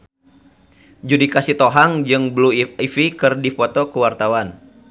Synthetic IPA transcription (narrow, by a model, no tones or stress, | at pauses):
d͡ʒudikasit̪oɦaŋd͡ʒɨŋbluifikɨrdifɔt̪ɔkəwart̪awan